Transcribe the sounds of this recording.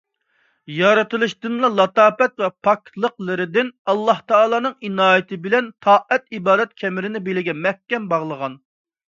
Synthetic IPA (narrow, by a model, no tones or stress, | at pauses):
jɑɾɨt̪ɨlˠɨʃd̪ɨnlˠɑlˠɑt̪ɑːpɛt̪vɛpʰɑk̪̚ʲlˠəqlˠɨɾɪd̪ɪnɑlˠːɑht̪ʰɑːlˠɑːnɨŋinɑːjet̪ʰɪbɪlɛnt̪ʰɑːʔɛt̪ibɑːd̪ɛt̪̚kʲʰɛmɪɾɪnɪbelɪɡʲɛmɛhkʲɛmbɑʁlˠəʁɑn